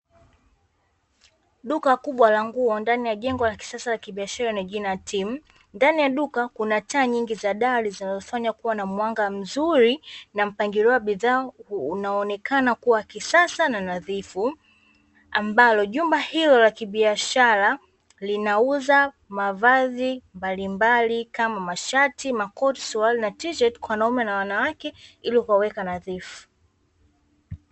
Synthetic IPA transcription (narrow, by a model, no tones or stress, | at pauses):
ɗukakuɓwalaŋɡuɔndanijaʄɛŋɡɔlaki̥sasalakiɓiaʃaɾanaʄinajatʰim̩ | ndanijaɗukakunataːɲiŋɡizaɗaɾizinazɔfaɲakuwanamwaŋɡam̩zuɾinam̩paŋɡiɾiwaɓiðaːnaɔnɛkanakuwakisasananaðifu | ambalɔʄumbahilɔlakiɓiaʃaɾa | linauza | mavaðimbalimbalikamamaʃatʰimakɔtsualinatiʃɛtkwanaumɛnawanawakɛiliwawɛkanaðifu̥